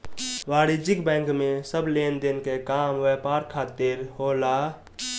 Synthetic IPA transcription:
ʋaːɾɪd͡ʒɪkbɛ̃ːŋkmẽsəbleːnd̪enkekaːmʋɛːpaːɾkʰaːt̪ɪɾhoːlaː

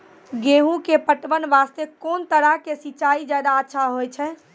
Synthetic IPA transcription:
ɡeɦũkepəʈʋənʋast̪ekoːnt̪əɽakesiːt͡ʃaid͡ʒajd̪aətːʃʰaɦojt͡ʃʰɛ

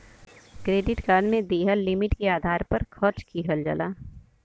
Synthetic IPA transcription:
kɾeːɖɪʈkaːɾɖmẽd̪eːɦəlːɪmɪʈkeaːd̪ʱaːɾpɐɾkʰɔt͡ʃkiːɦəld͡ʒɐ̰laː

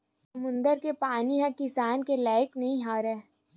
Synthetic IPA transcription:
sɐmʊ̃nd̪əɾkepaːniɦɐ̃kɪsaːnkelaːɪknɐɦĩɦaːɾɛː

